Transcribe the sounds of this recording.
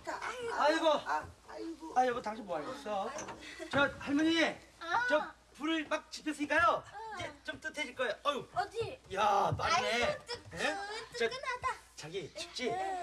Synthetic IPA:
aiɡʌ | ajʌɡʌtaŋɕʰimoaɭk͈ʌs͈ʰjot͡ɕʌhaɭmʌɲie | t͡ɕʌ | puɾɯɭmak̚t͡ɕipʰjʌs͈ʰɯɲik͈ajod͡ʑet͡ɕomt͈ɯtʰed͡ʑiɭk͈ʌjʌ | jatannenet͡ɕʌt͡ɕaɡit͡ɕip̚t͡ɕ͈i

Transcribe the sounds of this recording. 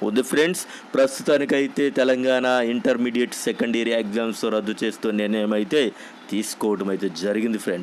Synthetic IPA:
o̰d̪ipʰɾeɳɖs | pɾɐst̪ut̪aːnikɐjit̪e̞ːt̪ɛlɐŋɡaːnaːiɳʈɐɾmiːɖijeʈsɛkɐɳɖɐɾieɡd͡ʒaːmsoɾɐd̪ːut͡ʃe̞ːst̪oːniɾnɐjɐmɐjit̪e̞ː | t̪iːsu̥kɔːʋɐʈɐmɐjt̪e̞ːd͡ʒɐɾiɡind̪ipʰɾeɳɖs

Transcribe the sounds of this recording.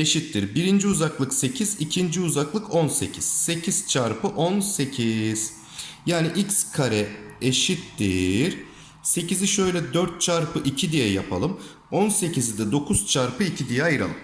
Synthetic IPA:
e̞ʃit̪ːiɾbiɾind͡ʒiuzaklˠɯkse̞cʰizicʰind͡ʒiuzaklˠɯkʰo̞nse̞̰cʰiz̥se̞cʰiz̥t͡ʃʰaɾpʰɯʔonse̞cʰiz̥ | jaːniʔicskʰaɾɛeʃit̪ːiɾ̥ | se̞ciziʃø̞jlʲɛd̪øɾt̪̚t͡ʃʰaɾpʰɯʔicʰid̪ijɛja̰pʰa̰lˠɯm | onse̞cʰizid̪ɛd̪o̞kʰuz̥t͡ʃʰaɾpʰɯicʰid̪ijɛajɯɾa̰lˠɯm

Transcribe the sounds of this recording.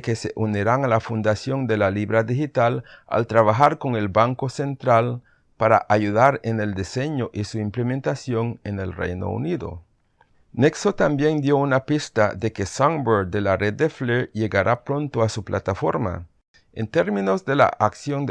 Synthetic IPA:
keseʔuniɾaŋalafund̪asjond̪e̞laliβɾaðixit̪ala̰lt̪ɾaβaxaɾko̞ŋe̞lbaŋko̞se̞nt̪ɾal | paɾa̰ʔajuðaɾe̞ne̞ld̪ise̞ɲoʔisuimple̞mẽ̞nt̪asjo̞ŋe̞ne̞lre̞̰jno̰ṵniðo̞̰ | neksot̪ambje̞nd̪jo̞unapist̪aðe̞kesaŋboɾd̪e̞lare̞d̪̚d̪ːefleje̞ɣaɾʔapɾo̞nt̪oasuplʔat̪afo̞ɾma̰ | ent̪e̞ɾmĩno̞zd̪e̞la̰ʔaksjo̞n

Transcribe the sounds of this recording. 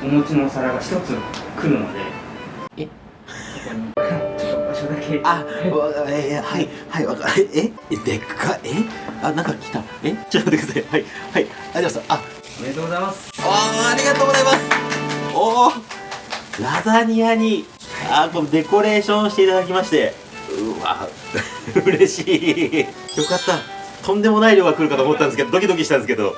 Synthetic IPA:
omot͡ɕino̞saɾaɡaçi̥t̪o̞t͡sɨkɯ̟ɾɯ̟ma̰d̪ḛe | oobaɕod̪akea | ehaihaiakaeed̪ekʰːaʔeanãŋkakʲi̥t̪a | et͡ɕ̪ːakd̪eksahaihai | aɾʲimasaʔa | aɾijat̪oːɡoaimasɨ̥oaɾʲiɡat̪o̞ːɡozaimasɨ̥o | ɾazaɲ̟iaɲ̟i | aːkond̪e̞ko̞ɾe̞ːɕõɕi̥t̪e̞it̪ad̪akʲimaɕi̥t̪e̞ | ɯβa̰ | ɯɯɾe̞ɕiː | jo̞kat̪ːa | t̪ʰõ̞nd̪e̞mo̞naiɾʲjo̞ːɡakɯ̟ɾɯ̟kat̪oːmot̪ːanesked̪od̪o̞kʲid̪o̞kʲiɕi̥t̪ãnd̪esɨke̞d̪o̞̰

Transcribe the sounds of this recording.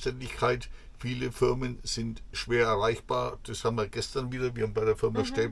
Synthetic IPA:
tɛndɪçkʰaɪt | fiːləfɪɐmənz̥ɪntʃv̥eːɐɛɐʁaɪçb̥aːɐd̥ashaːbm̩viːɐɡɛstɐnviːdɐviɐhaːmbaɪɾeːɐfɪɐmaʃtɛː

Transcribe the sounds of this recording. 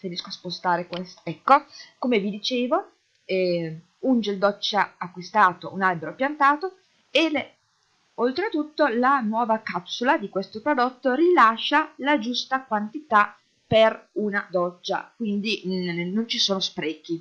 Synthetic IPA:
finiskoaspost̪aːɾekwest̪oɛkːokomevid̪it͡ʃeːvo | ɛ | und͡ʒeld̪ɔt͡ʃːaakːwist̪aːt̪ounalbeɾopjant̪aːt̪o | e | olt̪ɾet̪ut̪ːolanwɔːvakapsulad̪ikwest̪opɾod̪ot̪ːoɾilaʃːalad͡ʒust̪akwant̪it̪a | perunad̪ɔt͡ʃːa̰kwind̪inont͡ʃisoːnospɾɛːk̟i

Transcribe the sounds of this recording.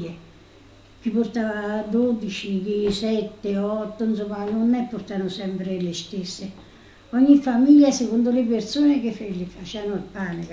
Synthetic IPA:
e | k̟ipːort̪aːvad̪od̪it͡ʃikisɛt̪ːeɔt̪ːonsumːanʊnːɛpːoɾt̪aːnʊsɛmpɾɪlɪst̪esːɪ | ɔɲːifamiʎːasekond̪ʊlɪpert̪suːnɪk̟efelɪfat͡ʃɛanʊalpaːne

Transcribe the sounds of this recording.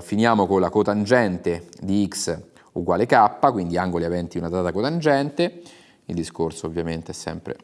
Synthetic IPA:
finjaːmokonlakot̪and͡ʒɛnt̪ed̪iiks | uɡwaːlekapːakwind̪iaŋɡolievɛnt̪iunad̪at̪akot̪and͡ʒɛnt̪e | ḭld̪iskorsoːvːjament̪eɛsːɛ̰mpɾḛ

